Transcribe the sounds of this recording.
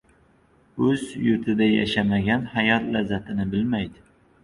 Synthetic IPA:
ɵzjʊɾt̪ʰɪd̪aja̰ʃamaɡʲanhajɒt̪lazːat̪ʰɪnɪbɪlmajd̪ɪ

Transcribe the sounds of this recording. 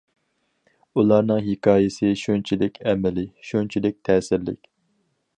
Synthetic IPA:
ulˠɑɾnɨŋɦɪkɑːjɪsɪʃunt͡ʃʰilɪkʲʰɛmɪlɪʃunt͡ʃʰilɪk̚ʲt̪ʰɛːsɪɾlɪ̰kʲ

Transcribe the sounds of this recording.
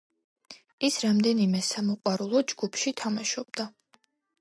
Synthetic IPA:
isɾamd̪ɛnimɛsamɔqʼwaɾulˠɔd͡ʒɡ̥upʰʃit̪ʰamaʃɔbd̪a

